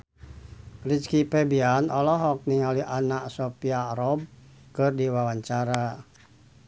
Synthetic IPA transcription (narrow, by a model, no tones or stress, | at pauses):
rit͡ʃkipɛbianɔlɔɦɔk̚niŋaliʔanaʔsɔpiaɾɔb̚ | kɨrdiwawaɲt͡ʃaɾa